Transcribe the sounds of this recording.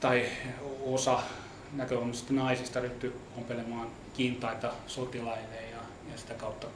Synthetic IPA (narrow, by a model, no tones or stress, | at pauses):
t̪ɑiosɑ | nækøonsi̥t̪ːænɑisist̪ɑryht̪yompelemɑːn | kint̪ɑit̪ɑsot̪ilɑilejjɑ | jɑsi̥t̪ækɑut̪ːɑ